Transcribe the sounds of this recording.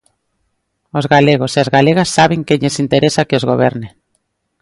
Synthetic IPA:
ozɣaleɣ̞oseazɣaleɣasːaβeŋkeʎesint̪eɾesakeozɣoβ̞ɛɾne

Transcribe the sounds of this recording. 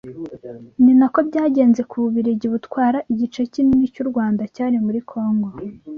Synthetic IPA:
ninako̞bɟaːɟe̞ːnze̞kuβuβiɾiɟiβutkwaːɾaʔiɟit͡ʃe̞cininicuɾɡwaːndacaːɾimuɾikʰo̞ːŋɡo̞

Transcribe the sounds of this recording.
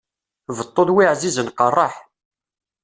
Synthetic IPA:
vət̪ˤːoðwiʕzizənqərˤːɑħ

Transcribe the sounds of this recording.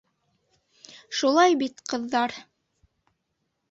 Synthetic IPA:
ʃulˠɑjbit̪qɤ̆ðːɑɾ

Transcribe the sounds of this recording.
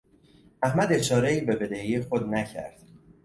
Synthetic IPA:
æhmæd̪e̞t͡ʃʰɒːɾeiːbe̞be̞d̪ehjexod̪næcʰæ̰ɾd̪̥

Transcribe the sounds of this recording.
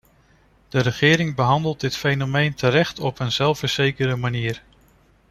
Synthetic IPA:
d̥əɾəχɪːɾɪŋbəɦɑndəlˠt̚dɪtfejnomejntəɾɛχtɔpənz̥ɛlˠfəɹz̥ejkəɾəmaniːɹ

